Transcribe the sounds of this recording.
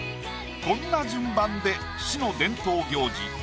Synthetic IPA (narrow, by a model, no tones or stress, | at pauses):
kõ̞nːad͡ʑɨ̃mbãnd̪e̞ | ɕino̞d̪ẽ̞nt̪o̞ːɡʲo̞ːd͡ʑḭ